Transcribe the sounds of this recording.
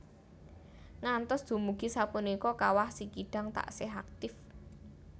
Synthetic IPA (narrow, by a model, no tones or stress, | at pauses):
ŋant̪ɔsd̪̥ṳmuɡ̥isapunikɔkawahsikiɖ̥a̤ŋt̪a̰ʔseɦak̚t̪ɪf